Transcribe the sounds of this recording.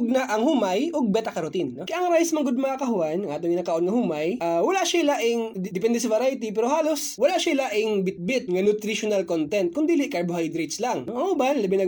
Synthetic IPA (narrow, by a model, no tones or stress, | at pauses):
ɡ̚naʔɐŋhuːmajoɡ̚bɛt̪ɐkɐɾot̪inːokɐjɐŋɾaːjɪsmɐŋɡod̪̚mɐŋakɐɦʊanɐŋʔaːt̪oŋɪnak̪ɐʔonŋɐhuːmajʔawɐlaʔʃaʔɪlaʔɪŋd̪ɪpɛnd̪ɛsɐvɐɾajt̪ipɛːɾohaːlo̞swɐlaʔʃaʔɪlaʔɪŋbɪt̪̚bɪt̪̚ŋɐnʊt̪ɾiʃonalkont̪ɛnt̪̚kʊnd̪iːlɪʔkaɹbohajd̪ɾejt̪slaŋoɐŋhʊbanlɐbɛnɐ